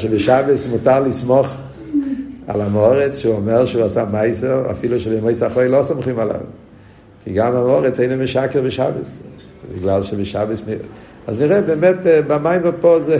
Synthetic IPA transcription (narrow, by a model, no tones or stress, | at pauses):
ʃɪbɪʃabəsmʊtalˠɪsmɔχ | a̰lamɔʁɛt͡sʃɪɔmɛʁʃɪvasamaɪsəa̰fiːlˠəʃɪbɪmoɪsaχɔɪlɔsɔmχimala̰v | fiɡamamɔʁət͡seɪnəmɪʃakəʁbɪʃabə̰s | dɪɡlˠalˠʃɪbɪʃabəsmɪ | azmɪʁɛbɛmɛtbamaɪməpɔz